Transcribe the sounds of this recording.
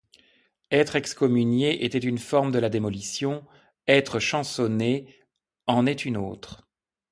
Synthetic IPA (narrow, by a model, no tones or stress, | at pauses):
ɛt̪χɛkskɔmynjeʔet̪ɛt̪ynfɔʁmd̪əlad̪emɔlisjɔ̃ | ɛt̪χəʃɑ̃sɔne | ɑ̃nɛt̪yno̰ːt̪χ